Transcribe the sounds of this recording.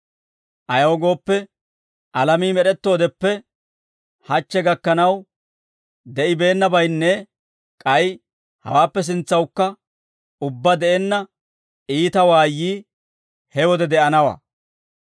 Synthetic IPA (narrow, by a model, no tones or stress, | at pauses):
ʔɐjɐɔɡo̞ːpːɛ | ʔɐlɐmiːmɛɗɛt̪ːo̞ːd̪ɛpːɛ | hɐt͡ʃːɛɡɐkːɐnɐw | d̪ɛʔɪbe̞ːnːɐbɐjnːɛ | kʼɐj | hɐ̰waːpːɛs̬ɪnt͡sːɐwkːɐ | ʊbːɐd̪ɛʔɛnːɐ | ʔiːt̪ɐwaːjːiː | hɛwɔd̪ɛd̪ɛʔɐnɐwɐ̰